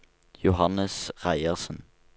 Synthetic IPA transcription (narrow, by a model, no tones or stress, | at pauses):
jʊhɑnəsʁæɪəʁsən̩